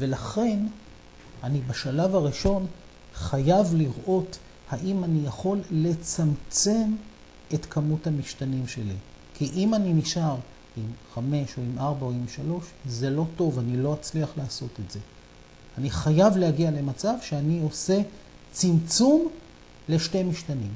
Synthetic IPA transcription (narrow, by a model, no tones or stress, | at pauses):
ve̞laχe̞n | anibaʃalavaʁiʃo̞n | χajavliʁʔo̞t | haʔimanijaχo̞lːe̞t͡samt͡se̞m | e̞tkʰamuthamiʃtanimʃe̞lḭ | kʰiʔimanimiʃaʁ | imχame̞ʃoimaʁbaoimʃalo̞ʃze̞lo̞to̞vanilo̞at͡sliaχlaːso̞tetze̞ | aniχajavlehaɡiale̞mat͡savʃeanio̞se̞ | t͡simt͡sum | le̞ʃtemiʃtanim